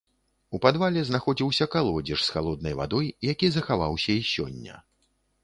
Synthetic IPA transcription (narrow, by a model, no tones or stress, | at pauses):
upad̪valʲɛznaxɔd͡zʲiwsʲɐkalˠɔd͡zʲiʂsxalˠɔd̪̚nɐjva̰d̪ɔjːakʲizɐxava̰wsʲɐisʲɔ̰nʲːɐ̰